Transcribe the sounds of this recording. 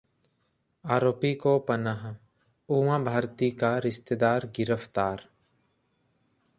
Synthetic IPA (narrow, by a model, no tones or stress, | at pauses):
aːɾoːpiːkoːpənaɦ | uːʋãːbʱaːɾt̪iːkaːɾɪʃt̪ed̪aːɾɡɪɾəft̪aːɾ